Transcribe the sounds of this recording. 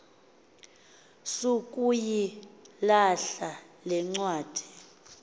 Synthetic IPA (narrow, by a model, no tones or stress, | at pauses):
sukʼujilaɬalɛŋ͡ǀwaːd̥ʱɛ̥